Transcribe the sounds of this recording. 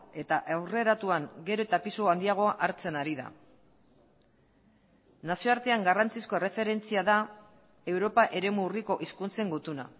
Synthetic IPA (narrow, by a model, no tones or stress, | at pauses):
e̞t̪aʔawre̞ɾat̪uaŋɡe̞ɾo̞et̪apisuand̪iaɣ̞o̞aʔaɾt͡se̞naɾiða̰ | nasio̞aɾt̪e̞aŋɡarant͡sisko̞e̞re̞fe̞ɾe̞nt͡siaða | e̞wɾo̞paʔe̞ɾe̞muːriko̞ʔiskunt͡se̞ŋɡut̪una̰